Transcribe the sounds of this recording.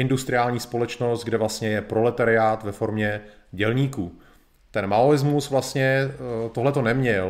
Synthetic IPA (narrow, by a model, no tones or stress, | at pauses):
ɪndust̪ɾɪaːlɲiːspo̞lɛt͡ʃnost̪̚ɡdɛvlast̪ɲɛjɛpɾo̞lɛt̪aɾɪaːt̪vɛfo̞ɾmɲɛ | ɟɛlɲiːkuː | t̪ɛnmaoɪzmusvlast̪ɲɛt̪oɦlɛt̪o̞nɛmɲɛl